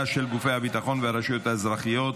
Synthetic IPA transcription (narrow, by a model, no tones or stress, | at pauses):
aʃelɡufejhabit̪aχo̞nveaɾaʃujo̞t̪haezɾaχijo̞t̪